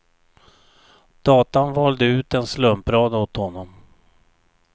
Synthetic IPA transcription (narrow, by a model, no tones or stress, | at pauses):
d̪̥ɑːt̪anvɑːld̪əʉ̟ːt̪ɛnslɵmpɾɑːd̪ot̪hɔnːɔm